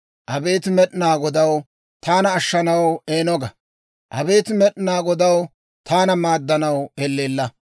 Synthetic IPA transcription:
ʔɐbe̞ːt̪ɪmɛɗɪnaːɡɔd̪ɐw | t̪aːnɐːʃːɐnɐweːnɔɡɐ | ʔɐbe̞ːt̪ɪmɛɗɪnaːɡɔd̪ɐw | t̪aːnɐmaːd̪ːɐnɐwɛlːeːlːɐ

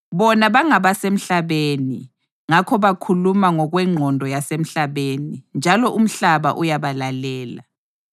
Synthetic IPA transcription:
βɔnaβaŋaβasem̩ɬaβeni | ŋakʰɔβakʰulumaŋɔɣwɛŋ͡ǃʱɔndʱɔjasem̩ɬaβenind͡ʒʱalɔʔum̩ɬaβa̰ʔujaβalalɛːla̰

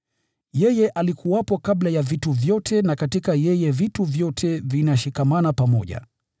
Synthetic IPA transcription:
jɛjɛʔalikuwapɔkablajavituvjɔtʰɛnakatikajɛjɛvituvjɔtʰɛvinaʃikamanapamɔ̰ʄa̰

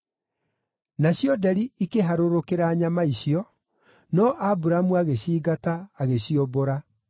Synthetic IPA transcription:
naɕjɔdɛɾiikeɦaɾoɾokeɾaːɲamaiɕiɔ | nɔʔabuɾamuaɣeɕiːɡataːɣeɕioboɾa

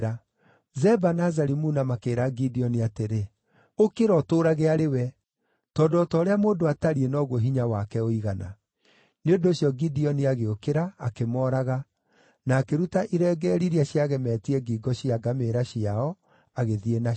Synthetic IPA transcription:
ɾa | zɛbanazaɾimunamakeːɾaɡidiɔniateɾe | okeɾɔtoːɾaɣeaɾewɛ | tɔːndɔtɔːɾeamoːndoataɾienɔɣoɦiɲawakɛoiɣana̰ | neondoɕjɔɡidiɔniaɣeokeɾaːkemɔːɾaɣa | naːkeɾutaʔiɾɛːɡɛɾiɾiaɕiaɣɛmɛːtiɛɡiːɡɔɕiaɡameɾaɕiaɔ | aɣeðiena

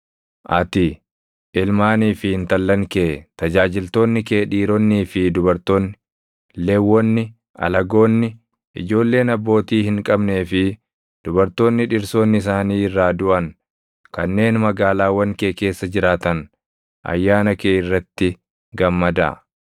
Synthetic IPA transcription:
ʔɐ̰t̪ɪ | ʔɪlmaːniːfɪhɪnt̪ɐlːɐŋkeːt̪ɐd͡ʒaːd͡ʒɪlt̪o̞ːnːɪke̞ːᶑiːɾɔnːiːfɪd̪ʊbɐɾt̪o̞ːnːɪ | lewːɔnːɪ | ɐ̰lɐɡo̞ːnːɪ | ʔɪ̰d͡ʒo̞ːlːe̞ːnɐbːo̞ːt̪iːhɪŋkʼɐbne̞ːfɪ | d̪̥ʊbɐɾt̪o̞ːnːɪᶑɪɾso̞ːnːɪɪs̬aːniːɪrːaːd̪ʊʔɐŋ | kɐnːe̞ːnmɐɡaːlaːwɐŋke̞ːke̞ːsːɐd͡ʒɪɾaːt̪ɐn | ʔɐ̰jːaːnɐkeːɪrːɐt̪ːɪ | ɡɐmːɐd̪ɐ̰

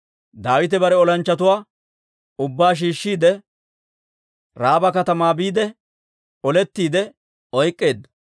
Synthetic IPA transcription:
d̪aːwɪt̪ɛbɐɾɛɔlɐnt͡ʃːɐt̪ʊwaː | ʊbːaːʃ̬iːʃːiːd̪ɛ | ɾaːbɐkɐt̪ɐmaːbiːd̪ɛ | ɔlɛt̪ːiːd̪ɛ | ɔjkʼːe̞ːd̪ːɐ

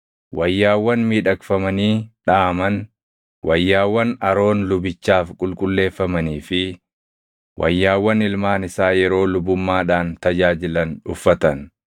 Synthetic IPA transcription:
wɐjːaːwːɐnmiːᶑɐkfɐmɐniːᶑaːmɐn | wʔɐjːaːwːɐnɐɾo̞ːnlʊbɪt͡ʃːaːfkʼʊlkʼʊlːe̞ːfːɐmɐniːfɪ | wʔɐ̰jːaːwːɐnɪlmaːnɪsaːjɛɾo̞ːlʊbʊmːaːᶑaːnt̪ɐd͡ʒaːd͡ʒɪlɐnʊ̰fːɐt̪ɐn

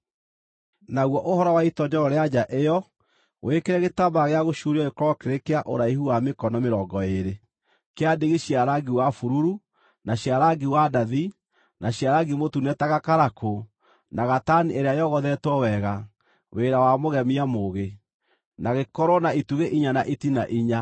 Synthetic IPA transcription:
naɣwɔʔohɔɾɔwaitɔɲd͡ʒɔɾɔɾead͡ʒaʔejɔ | wʔekeɾɛɣetabaɣeaɣoʃuɾiɔekɔɾɔkeɾekeaʔo̰ɾaihuwamekɔnɔmeɾɔːɡɔeɾe | keadeɣeɕiaɾaɡiwafuɾuɾu | naɕiaɾaɡiwadaði | naɕiaɾaɡimotunɛtaɣakaɾakʰo | naɣatanieɾeajɔɣɔðɛtwɔwɛɣa | weɾawamoɣɛmiamoɣe | naɣekɔɾwɔnaituɣeʔiɲanaʔitinaʔiɲa

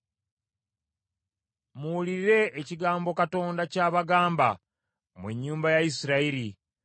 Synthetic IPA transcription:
muuliɾɾe̞ːciɡaːmbo̞kato̞ːndacaːβaɡaːmba̰ | mweɲːuːmbajaisiɾaiɾi

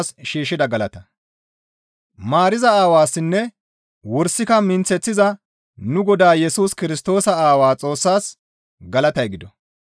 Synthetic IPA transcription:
sʃiːʃːɪd̪ɐɡɐlɐt̪ɐ | maːɾɪzɐaːwaːsːɪnːɛ | wɔɾsːɪkɐmɪnt͡sɛt͡sːɪzɐ | nʊɡɔd̪aːjɛsuːskɪɾɪst̪o̞ːsɐaːwaːt͡sʼo̞ːsːaːs | ɡɐlɐt̪ɐjɡɪd̪ɔ

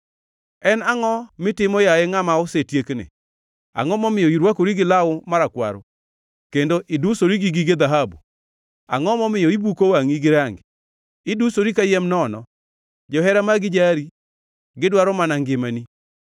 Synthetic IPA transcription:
ɛnaŋɔmɪtɪmɔjaeŋamaʊsetjeknɪ̰ | a̰ŋɔmɔmɪjɔiɾwakoɾiɡɪlaʊmaɾakwa̰ɾo̰ | kendoʔidusoɾiɡiɡiɡed̪aɦabṵ | a̰ŋɔmɔmɪjɔibukowaŋiɡɪɾaŋɡ | ɪdusoɾikajɛmnɔnɔ̰ | d͡ʒɔɦɛɾamaɡɪd͡ʒaɾi | ɡɪdwaɾɔmanaŋɡɪmani

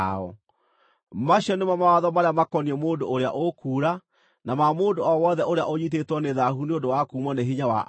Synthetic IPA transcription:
ɔ̰ | maɕiɔnemamawaðɔmaɾeamakɔniɛmoːndoʔːɾea̰ʔokuːɾa | namamoːndoɔwɔðɛʔoɾea̰ʔoɲit̬etwɔneðaɦuneondowakuːmɔneɦiɲawa̰ʔ

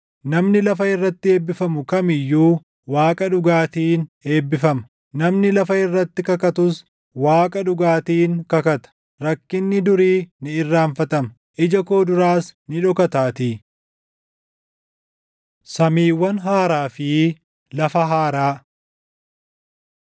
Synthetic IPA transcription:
nɐmnɪlɐfɐɪrːɐt̪ːɪe̞ːbːɪfɐmʊkɐmɪjːuː | waːkʼɐᶑʊɡaːt̪iːne̞ːbːɪfɐmɐ | nɐmnɪlɐfɐɪrːɐt̪ːɪkɐkɐt̪ʊs | waːkʼɐᶑʊɡaːt̪iːŋkɐkɐt̪ɐ̥ | ɾɐkːɪnːɪd̪ʊɾiːnɪɪrːaːnfɐt̪ɐmɐ | ʔɪd͡ʒɐkoːd̪ʊɾaːsnɪᶑɔkɐt̪aːt̪iː | sɐmiːwːɐnɦaːɾaːfɪ | lɐfɐɦaːɾaː

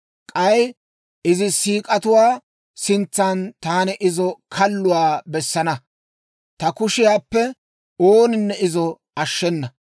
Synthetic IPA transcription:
kʼɐj | ɪzɪsiːkʼɐt̪ʊwaː | sɪnt͡sːant̪aːnɛʔɪzɔkʰɐlːʊwaːbɛsːɐnɐ | t̪ɐkʊʃɪjaːpːɛ | oːnɪnːɛɪzɔ | ɐʃːɛnːɐ

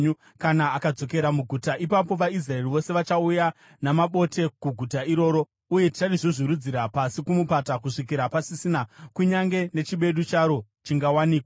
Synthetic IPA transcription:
u | kanaːkad͡zo̞ke̞ɾamuɡʱutaʔipapo̞ʋais̬rae̞riʋo̞se̞ʋat͡ʃauja | namaɓo̞te̞kuɡʱutaiɾo̞ːɾo̞ | uje̞ti̥t͡ʃatiʐoʐiɾud͡ziɾapasikumupatakuʂik̬iɾapasisinakuɲaŋɡe̞ne̞t͡ʃiɓe̞ɗut͡ʃaɾo̞ | t͡ʃiŋɡawaniːkwa

